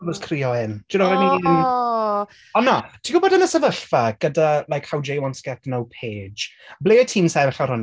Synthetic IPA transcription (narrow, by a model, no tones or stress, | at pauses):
vɔskʰriːɔɪnt͡ʃɪnɔvɛnidin | ɔnːatʰiɡʊbɔdənəsəvəɬfaɡ̥ədalˠajkhawd͡ʒejwɔnsɡɛtnowpʰeːd͡ʒbleːətʰiːmsavɛɬaɾʊn